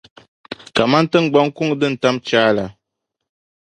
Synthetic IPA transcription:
ka˨ma˦n˦tɨ˦ŋ˨ɡ͡ba˦ŋ˦ku˦ŋdɨ˦n̩˨ta˦mt͡ʃaː˦la˨

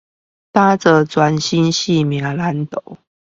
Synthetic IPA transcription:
t̪a˦t͡sə˨t͡swa˧˦nɕi˦nɕi˥˨mja˨˧˦la˧˦nt̪o˨˩˦ʊ

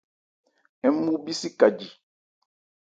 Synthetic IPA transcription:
ɛ˦mu˦bi˦si˦ka˨d͡ʒi˨

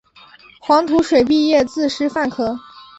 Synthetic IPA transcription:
xwɑ˧˥ŋt̪ʰu˧˥ʂwe˨˩ɪp̬i˥˧jɛ˥˧t͡sɹ̩˥˧ʂɻ̩˥fa˥˩nkʰɤ˧˥

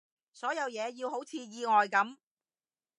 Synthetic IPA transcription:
sɔː˨˥jɐ˨˧wjɛː˨˧jiː˧who˨˥wt͡sʰiː˨˧jiː˨˧ŋɔː˨jkɐ˨˥m

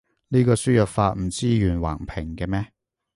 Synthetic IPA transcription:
niː˥kɔː˧syː˥jœ˨t̚faː˧t̚m̩˨˩t͡siː˥jyː˨˩nwa̰ː˨˩ŋpʰɪ˨˩ŋkɛː˧mɛː˥

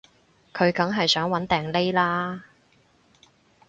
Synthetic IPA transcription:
kʰɵ˨˧ɥkɐ˨˥ŋɦɐ˨jsœː˨˥ŋwɐ˨˥nt̪ɛː˨˩ŋle˥jlaː˥

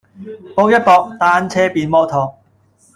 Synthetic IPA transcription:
poː˥wjɐ˥t̚pɔː˨˧k̚t̪aː˧˥nt͡sʰɛː˥piː˨nmɔː˧˥t̪ʰɔː˨˧ŋ̚

